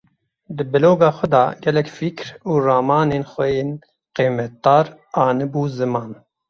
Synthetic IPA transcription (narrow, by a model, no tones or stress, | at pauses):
d̪ɨbɨloːɡɑːxʷɛd̪ɑ̰ːɡɛlɛkfikɾuːrɑːmɑːneːnxʷɛjeːn | qeːmɛt̪̚d̪ɑːɾ | ɑːnɨbuːzɨmɑːn